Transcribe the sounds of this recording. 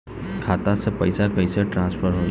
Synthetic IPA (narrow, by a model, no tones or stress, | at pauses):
kʰaːt̪ãsepɐɪsakɐɪseʈɾãːspʰəɾɦoː